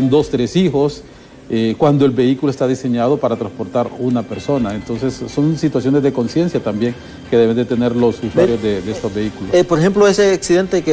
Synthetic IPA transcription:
nd̪ost̪ɾe̞sixo̞s | ekwand̪oe̞lbe̞ikuloest̪aðise̞ɲað̞opaɾat̪ɾanspo̞ɾt̪aɾunape̞ɾso̞nae̞nt̪onse̞sːo̞nsit̪wasjo̞ne̞zðe̞ko̞nsje̞nsjat̪ambje̞ŋ | ke̞ðe̞βe̞nd̪e̞t̪e̞ne̞ɾlo̞suswaɾjozd̪ed̪eest̪ozβe̞ikulopoɾexe̞mploeseaksiðe̞nt̪eke

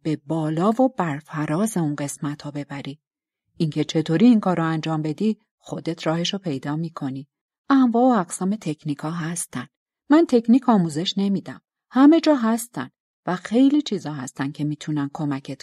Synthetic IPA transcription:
b̥e̞bɒːlɒːvobæɾfæɾɒːze̞unɢe̞smæt̪ʰɒːbe̞bæɾiː | ʔiŋcʰe̞t͡ʃʰe̞t̪ʰoɾiːŋkʰɒːɾoænd͡ʒɒːmbe̞d̪i | xo̞d̪e̞t̪ʰɾɒːhe̞ʃopʰe̞jd̪ɒːmiːkʰo̞ni | ʔæmvɒːoæɡsɒːme̞t̪ʰe̞cʰniːkʰɒːɦæst̪æn | mænt̪ʰe̞cniːkʰɒːmuːze̞ʃne̞miːd̪æm | hæme̞d͡ʒɒːɦæst̪æ̰nd̪̥ | væxe̞jliːt͡ʃʰizɒːɦæst̪æncʰe̞miːt̪ʰunænkʰo̞mæcʰe̞t̪

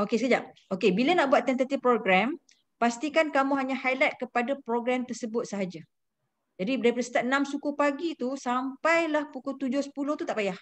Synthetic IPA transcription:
okesəkəd͡ʒaʔ̚okebilənãʔbuat̪ːɛnt̪at̪ifpɾoɡɾɛm | past̪ikankamũɦaɲahajlat̪̚kəpadapɾoɡɾamt̪ərsəbʊt̪̚səɦad͡ʒa | d͡ʒadibdaipəɾəsə̥t̪aənãmsukupaɡit̪usampajlahpukut̪ud͡ʒʊhsə̥pulʊht̪ut̪aʔpajah

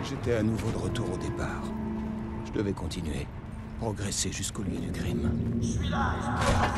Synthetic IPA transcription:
ʒet̪ɛanuvod̪əʁət̪uʁod̪epaːʁ | ʒ̥əd̪əvɛkɔ̃t̪inɥḛ | pχɔɡʁeseʒyskoljə̰d̪ykχim

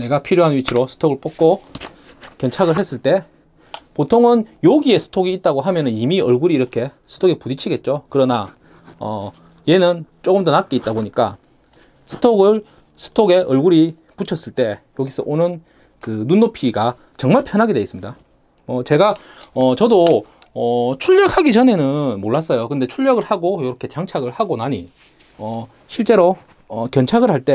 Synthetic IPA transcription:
ne̞ɡapʰiɾjoɦanɥit͡ɕʰɯɾosʰɯ̥tʰoɡɯɭp͈ok̚k͈o | kjʌnt͡ɕʰaɡɯɭɦe̞s͈ɯɭt͈e̞ | potʰoŋɯnjoɡie̞sʰɯ̥tʰoɡiːt̚t͈aɡoɦamjʌnɯnimiʌɭɡuɾiːɾʌkʰe̞sʰɯ̥tʰoɡepudit͡ɕʰiɡe̞t̚t͡ɕ͈okɯɾʌna | ʌ̰ | je̞nɯnt͡ɕ͈oɡɯmdʌnak̚k͈eit̚t͈aboɲik͈a̰ | sʰɯ̥tʰoɡɯɭ | sʰɯ̥tʰoɡe̞ʔʌɭɡuɾi | put͡ɕʰʌs͈ɯɭt͈e̞joɡisʰʌ̰ʔonɯn | kɯnunːopʰiɡa | t͡ɕʌŋmaɭpʰjʌnɦaɡede̞is͈ɯmɲida | mʌt͡ɕe̞ɡaʌt͡ɕʌdoʌt͡ɕʰuʎːʌk̚haɡit͡ɕʌne̞nɯnmoɭːas͈ʌjokɯnde̞t͡ɕʰuʎːjʌɡɯɭhaɡojoɾʌkʰe̞t͡ɕaŋt͡ɕʰaɡɯɭhaɡonaɲi | ʌ | ɕʰiɭt͡ɕ͈e̞ɾo | ʌkjʌnt͡ɕʰaɡɯɭɦaɭt͈e̞

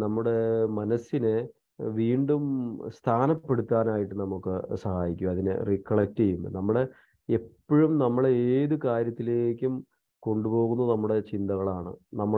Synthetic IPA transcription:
nɐmːuɽe̞mɐnɐsinɨ | ʋiːɳɖumst̪ʰaːnɐpːe̞ɽut̪ːaːnaːjiʈːɨnɐmukːɨ̰sɐhaːjikʲːumɐðinɨ̰rikːɐɭɐk̚tejunːɨ̰nɐmːuɽe̞ | epːoɻumnɐmːɐɭeeːðɨkaːɾjɐt̪ːile̞ːkʲːum | ko̞ɳɖupo̞ːɣunːɐnɐmːuɽe̞t͡ɕind̪ɐɣɐɭaːɳɨ̰nɐmːɐ

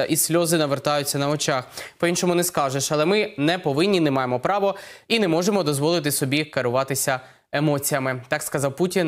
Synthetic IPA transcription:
ɐʔisʲlʲɔzɪnɐʋert̪ɑjʊt͡sʲːɐnɐɔt͡ʃaxpɔinʃɔmʊnɛskɑʒeʃɐlˠɛmɪnɛpɔʋɪnʲːinɛmɑjemɔpɾɑʋɔinɛmɔʒemɔd̪ɔzʋɔlˠɪt̪ɪsɔbʲikɐɾʊʋɑt̪ɪsʲɐ | emɔt͡sʲijɐmɪt̪ɑkskɐzɑwputʲin

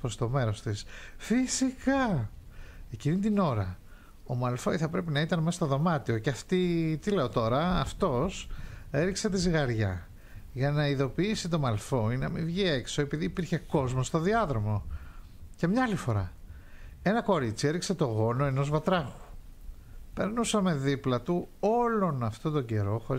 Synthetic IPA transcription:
pɾo̞st̪o̞me̞ɾo̞st̪isfisikɐ | e̞cinit̪ino̞ɾɐ | omɐlfoiθɐpɾe̞pinɐit̪ɐnmesɐst̪o̞ðo̞mɐt̪io̞cɐft̪it̪ile̞o̞t̪o̞ɾɐːft̪o̞se̞ɾikset̪iziɣɐɾʝɐ̰ | ʝɐnɐiðo̞piisit̪o̞mɐlfo̞inɐmivʝie̞kso̞e̞piðiːpiɾçe̞ko̞zmo̞st̪o̞ðiɐðɾo̞mo̞ | cemɲɐɐlifo̞ɾɐ̰ | e̞nɐko̞ɾit͡sie̞ɾikse̞t̪o̞ɣo̞no̞e̞no̞zvɐt̪ɾɐɣu̥ | pe̞ɾnusɐme̞ðiplɐt̪uo̞lo̞nɐft̪ot̪o̞ɲɟe̞ɾo̞xo̞ɾi

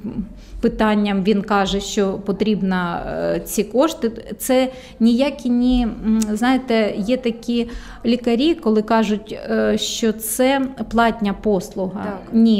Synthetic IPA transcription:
pɪt̪ɑnʲːɐmʋʲinkɑʒɛʃt͡ʃɔpɔt̪ɾʲibnɐt͡sʲikɔʃt̪ɪt̪sɛ | nʲijakʲinʲiznɑjet̪ɛjɛt̪ɐkʲi | lʲikɐɾʲikɔlˠɪkɑʒʊtʲʃt͡ʃɔt̪sɛplˠɑtʲnʲɐpɔslˠʊɦɐ̰nʲi

